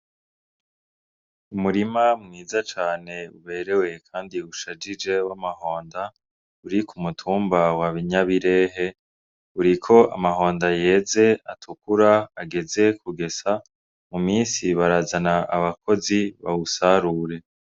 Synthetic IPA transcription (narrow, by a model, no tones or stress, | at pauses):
umuɾimamŋiːzat͡ʃaːne̞ṵβe̞ːɾe̞we̞kʰaːndiuʃad͡ʒid͡ʒe̞wamaho̞ːnda | uɾikʰumutʰuːmbawaβiɲaβiɾe̞ːɦe̞ | uɾikʰo̞a̰maɦo̞ːndaje̞ːze̞atʰukuɾaaɡe̞ze̞kuɡe̞sa | mumiːnsiβaɾazanaʔaβakʰo̞ziβa̰usaɾuːɾe̞